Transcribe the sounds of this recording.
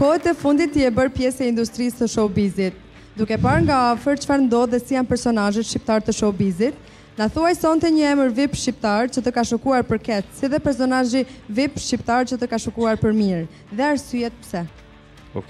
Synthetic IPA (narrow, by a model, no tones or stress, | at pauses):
kɔɦɛt̪ɛfund̪it̪ːiɛbəɾpjɛsɛind̪ust̪ɾisːəʃɔbizit̪̚ | d̪ukɛpaɾŋɡaafəɾt͡ʃə̥faɾnd̪ɔðɛsijanpɛɾsɔnaʒɛt̪ʃip̚t̪aɾt̪əʃɔbizit̪̚ | naθuajsɔnt̪ɛɲəɛməɾvipʃip̚t̪aɾt͡ʃət̪əkaʃəkuaɾpəɾkɛt̪siðɛpɛɾsɔnaʒivipʃipt̪aɾt͡ɕət̪əkaʃəkuaɾpəɾmiɾ | ðɛaɾsyjɛt̪̚psɛ